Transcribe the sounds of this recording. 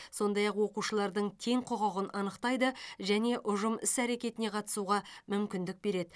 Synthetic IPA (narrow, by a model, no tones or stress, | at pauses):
so̞nd̪ɑjɑqwo̞quʃəlˠɑɾd̪əɴt̪ʰe̞ŋqʰoʁɑʁənʔɑnəqt̪ɑjd̪əʒæne̞ʔʊʒəmɪsæɾe̞kʲe̞t̪ɪne̞qʰɑt̪ə̥suʁɑmʏmkʲɪnd̪ɪk̚be̞ɾe̞d̪ɪ